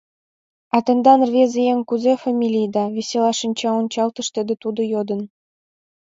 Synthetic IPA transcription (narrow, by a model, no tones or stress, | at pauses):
ɑt̪ɤ̆nd̪ɑnrβʲezejeŋkuzefɑmʲilʲijd̪ɑβʲesʲelɑʃinʲt͡ɕɑonʲt͡ɕɑlt̪ɤ̆ʃt̪ed̪ĕt̪ud̪ŏjod̪ə̆n